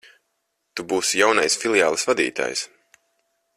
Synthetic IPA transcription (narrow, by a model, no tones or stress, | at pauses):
t̪ubuːsjawnajsfilʲˠjaːlˠɨsvad̪ḭːt̪a̰ːjs